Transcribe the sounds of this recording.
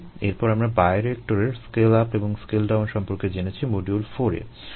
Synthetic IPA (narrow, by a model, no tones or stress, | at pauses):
eɾpɔɾamɾabaeɾek̚ʈoɾeɾskelapeboŋskelɖawnʃɔmpoɾked͡ʑenet͡ɕʰimoɖiulfoɾḛ